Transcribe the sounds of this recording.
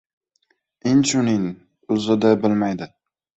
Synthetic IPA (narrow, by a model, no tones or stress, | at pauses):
ɪnt͡ʃʰʊnɪŋ | ʊzɪd̪abɪlmajd̪ɪ